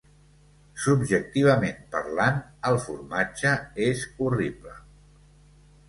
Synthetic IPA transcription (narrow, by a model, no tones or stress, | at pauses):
subʒək̚t̪iβ̞əmempə̰ɾlanəlˠfṵrmad͡ʒəezuriplə